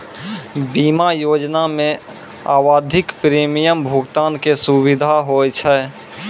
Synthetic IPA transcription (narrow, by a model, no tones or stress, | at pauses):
biːmajoːd͡ʒnamẽ | a̰ːwaːd̪ʱɪkpɾiːmijəmbʱʊɡt̪aːnkesuwɪd̪ʱaɦojt͡ʃʰɛ